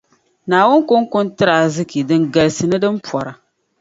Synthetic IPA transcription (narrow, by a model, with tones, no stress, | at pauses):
naː˨wʊ˦nkʊ˦ŋkʊ˦ntɨ˦ɾa˨zɨ˦ki˨dɨ˦nɡa˨lsɨ˨nɨ˦dɨ˦mpɔ˨ɾa˨